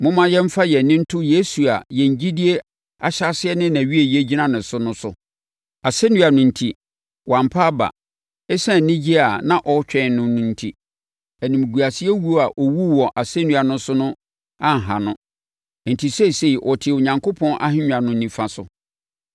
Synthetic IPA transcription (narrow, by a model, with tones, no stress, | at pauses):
mʊ̃˦mã˦jɛ̃˦m̩˦fa˦jɛ˨nɪ̃˦n̩˦tʰʊ˦je˨˦su˨a˨jɛ˨ɲ˦d͡ʑi˦di˦e˦ | a˨ɕa˦sɪ˦ɛ˦nɪ̃˦næ̃˨ɥi˦e˨ji˨˦e˦d͡ʑi˦nã˦nʊ̃˨sʊ˦nʊ̃˦sʊ̰˨ | a˨se˦nũ˦a˨nʊ̃˨n̩˨tʰi˨ | wã˨mpʰa˦ba̰˨ | ɛ˦sã˦˨nɪ̃˦d͡ʑi˦a˨nã˨ʔɔ˦t͡ɕᶣɛ̃˨nʊ̃˦nʊ̃˨n̩˦tʰi˦ | æ˨nĩ˨m˨ɡu˨a˨sɪ˦ɛ˦wu˦o˦a˨ʔɔ˨wu˦wɔ˨ʔa˨se˦nũ˨a˨nʊ̃˦sʊ˦nʊ̃˦ | ã˦˨ŋ̩˨ɦã˨nʊ̃˦˨ | n̩˨tʰi˨se˦i˨se˦i˨ʔɔ˨tʰɪ˨ʊ˨ɲã˨ŋkʰo˦pʰɔ̃˦nʔa̰˦hɪ̃˦ɲᶣ˨ã˨nʊ̃˨nĩ˨fã˨sʊ̰˨